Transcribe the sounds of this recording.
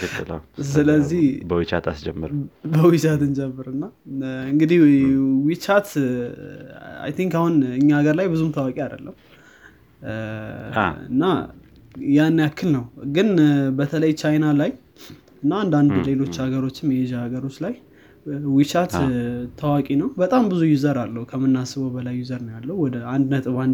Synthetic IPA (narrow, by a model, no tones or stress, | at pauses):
kʰɨt̪ːɨla̰wsɨləzːihbəwit͡ʃa̰t̪ʰa̰sd͡ʒɛmːə̰ɾbəwit͡ʃat̪ɨnd͡ʒɛmːɨɾɨnːaɨŋɡɨd̪ihwit͡ʃat̪ | a̰jt̪ʰiŋkahunɨɲːaaɡəɾlajbɨzumt̪ʰəwakʼiad̪əlːəm | ɨ̰nːa | janːjakːɨlnəwɡɨnbət̪ʰələjt͡ʃajnalaj | ɨnːaːnd̪and̪le̞lo̞t͡ʃːhaɡəɾo̞t͡ʃːɪmjɛʒaaɡəɾo̞t͡ʃːlaj | wit͡ʃat̪t̪ʰəwakʼinəwbət̪ʼambɨzujuzəɾalːəhukʰəmːɨnːasɨβəwbəlajːuzəɾnəwjalːəhuwɔd̪əand̪nət̪ʼɨβan